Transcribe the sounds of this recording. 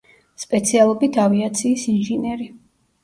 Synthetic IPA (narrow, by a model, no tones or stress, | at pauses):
spʼɛt̪sʰialˠɔbit̪ʰaviat̪sʰiːsinʒinɛɾi